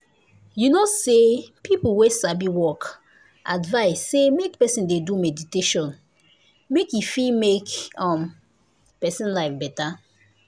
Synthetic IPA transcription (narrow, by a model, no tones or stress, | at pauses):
junosepʰipl̩wesabiwɔk | ʔadvaɪsːemek̚pɛsĩndedumɛditeʃɔ̃n | mekjufilmekɔ̃m | pɛsĩnlaɪfbɛta